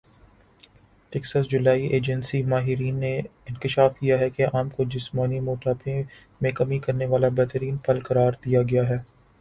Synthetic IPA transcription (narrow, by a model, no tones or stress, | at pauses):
ʈɛksəsd͡ʒʊlaːiʔeːd͡ʒənsimaːɦɪɾiːnːeɪ̃nkɪʃaːfkijaɦɛkeaːmkod͡ʒɪsmaːnimoːʈaːpẽ | mẽkɐmikɐɾneʋaːlabɛɦt̪əɾiːnpʰɐlkɐɾaːɾd̪ijaɡɐjaɦɛː